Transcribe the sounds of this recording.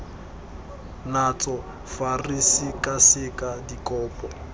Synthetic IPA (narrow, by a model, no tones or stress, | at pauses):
nat͡sʼɔ | farisikʼasɪkʼadikʼɔːpʼɔ